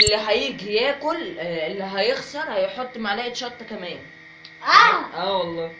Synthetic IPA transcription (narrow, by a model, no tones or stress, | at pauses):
ʔelːiɦæjiɡjæːkolʔelːiɦæjexsɑɾˤhæjeħot̪ˤːmaʕlæːʔd̪ʃɑt̪ˤːkæmæːn | ʔæʔæːwɑlˤːɑː